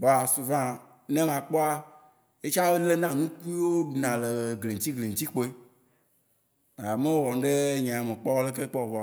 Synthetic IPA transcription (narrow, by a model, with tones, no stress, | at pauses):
ba˨su˨vã˦ | nẽ˦mã˨k͡pɔ˦a˦ | e˦t͡ʃa˦be˦le˦nã˦nũ˦ku˦i˦wo˦ɖu˨nã˨le˨ɡle˨ŋ̩˨t̪i˦ɡle˨ŋ̩˨t͡ɕi˦k͡po˦e˦˨ | a˨mẽ˦wo˦wɔ˨n˦ɖe˦ɲã˨me˨k͡pɔ˦wɔ˦le˦ke˦k͡pɔ˦o˨vɔ˨